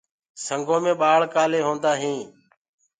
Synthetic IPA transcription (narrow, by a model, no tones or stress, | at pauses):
səŋɡõːmẽːɓaːɭkaːleːɦõːnd̪aːɦĩː